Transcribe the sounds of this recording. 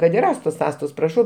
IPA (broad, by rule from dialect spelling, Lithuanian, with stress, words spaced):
kɐt ɪr ˈɑːstoːs ˈɑːstoːs prɐˈʃɐʊ